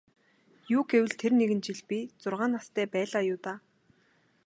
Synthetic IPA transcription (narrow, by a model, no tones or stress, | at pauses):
jʊːɡewɘ̆ɮt̪ʰerneɣɘ̆nt͡ɕiɮpit͡sʊrʁaːnːast̪ʰæːpæːɮaːjʊːt̪aː